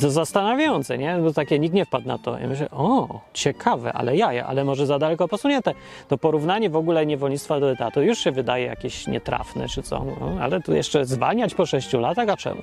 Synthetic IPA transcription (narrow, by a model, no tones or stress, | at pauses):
t̪ɔzast̪anavʲjajɔnt̪sɛɲɛbɔt̪akʲɛɲik̪̚ɲɛfpad̪na̰t̪ɔ̰ḭmɘɕlɛ̰ʔɔt͡ɕɛkʰavɛ̰ʔa̰lɛjaja̰ʔa̰lɛmɔʐɛzad̪alɛkɔpɔsuɲɛnt̪ɛ | t̪ɔpɔɾuvnaɲɛvɔɡulɛɲɛvɔlɲit̪t̪fad̪ɔɛt̪at̪ɔjuʂɕɛvɘd̪ajɛja̰kʲeɕɲɛ̰t̪ɾʔa̰fnɛ̰t͡ʂɨt̪sɔ̰nɔa̰lɛt̪ujɛ̰ʂt͡ʂɛzva̰lɲat͡ɕpɔʂɛɕt͡ɕulat̪axat͡ʂɛ̰mu